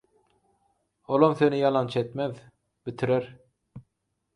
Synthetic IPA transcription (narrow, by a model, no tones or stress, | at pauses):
olˠomθenijɑlˠɑnt͡ʃʰet̪með | bit̪ʰiɾeɾ